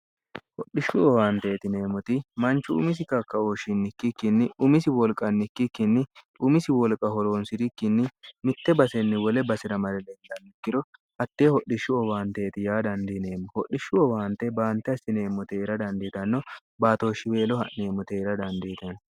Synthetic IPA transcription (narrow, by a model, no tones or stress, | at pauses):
hɔɗɪʃːʊɔwaːnt̪e̞ːt̪ɪne̞ːmɔt̪ɪmɐnt͡ʃːʊʊ̰mɪs̬ɪkɐkːɐoʃɪnːɪkːɪkːɪnːɪʊmɪsɪwɔlkʼːɐnːɪkːɪkːɪnːɪʔʊmɪsɪwɔlkʼːɐhɔɾoːnsɪɾɪkːɪnːɪmɪt̪ːɛbɐsɛnːɪwɔlɛbɐsɪɾɐmɐɾɛlɛnd̪ɐnd̪ɪkːɪd̪ɔ | ʔɐt̪ːeːhɔɗɪʃːʊɔwaːnt̪e̞ːt̪ɪjaːd̪ɐnd̪ineːmːɔhɔɗːɪʃːʊɔwaːnt̪ːɛbaːnt̪ːɛɐsɪne̞ːmːɔt̪eːɾɐd̪ɐnd̪ɪt̪ɐnːɔ | baːt̪o̞ːʃːɪwe̞ːlɔhɐʔne̞ːmɔt̪eːɾɐd̪ɐnd̪iːt̪ɐn